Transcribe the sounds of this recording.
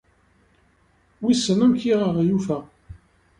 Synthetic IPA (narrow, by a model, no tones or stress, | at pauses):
wisːənəmkiʁəʁjufæ